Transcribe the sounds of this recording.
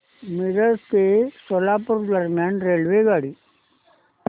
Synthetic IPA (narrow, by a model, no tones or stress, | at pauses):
mɪɾəɾkesɔlaːpʊɾd̪ɐɾmjaːnɾeːlʋeːɡaːɽi